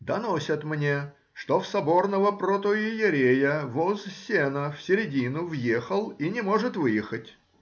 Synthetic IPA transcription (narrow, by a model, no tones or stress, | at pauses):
d̪ɐnosʲət̪mnʲe̞ | ʂt̪ofsɐbo̞rnəvəpɾot̪oɪjɪɾʲejəvozsʲenəfsʲɪɾʲɪdʲinʊvjexəlˠinʲɪmo̞ʐɨt̪vɨjɪxətʲ